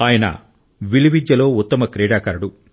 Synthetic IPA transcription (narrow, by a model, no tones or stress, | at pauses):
aːjɐnɐ̰ | ʋiliʋid̪jɐlo̞ːut̪ːɐmɐkɾɛːɽaːkɐɾɐɽu